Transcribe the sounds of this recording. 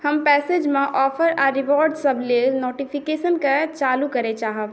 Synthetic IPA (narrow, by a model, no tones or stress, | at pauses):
hɐmpɛːseːd͡ʒmẽʔɔːfʰəɾaːɾɪʋɔːɾɖsɐbʱlenoːʈipʰɪkeːʃənkat͡ʃaːlukɐɾet͡ʃaːɦə